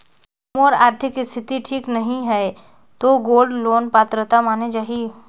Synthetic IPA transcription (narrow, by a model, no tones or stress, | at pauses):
moːɾaːɾt̪ʰɪkːist̪ʰɪt̪iʈʰiːknɐɦĩɦɛ | t̪oːɡoːlɖloːnpaːt̪ɾət̪amaːned͡ʒaːɦi